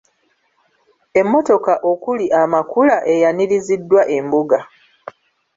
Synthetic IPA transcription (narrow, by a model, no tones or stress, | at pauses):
e̞mːo̞to̞kaʔo̞kuliʔamakulaʔe̞janiɾizidːwaʔe̞mbuɡa